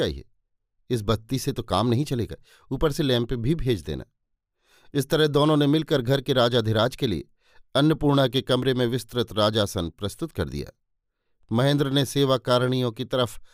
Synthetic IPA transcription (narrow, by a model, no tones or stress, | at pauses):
aːɦḭɛ̰ | ɪs̬bɐt̪iset̪oka̰ːmnɐɦĩt͡ʃɐlḛːɡa̰ː | uːpəɾselɛ̃ːmpbʱibʱeːd͡ʒd̪ḛːnʔa̰ː | ɪst̪ɐɾəɦd̪oːnõnemɪlkəɾɡʱɐɾkeɾaːd͡ʒaːd̪ʱɪɾaːd͡ʒkelḭḛ | ɐnjəpuːɾɳakekɐmɾemẽʋɪst̪ɾət̪ɾaːd͡ʒaːsənpɾɐst̪ʊt̪kɐ̰ɾd̪ḭja̰ː | mɐɦẽːnd̪ɾəneseːʋakaːɾɽ̃ijõkit̪ɐɾəf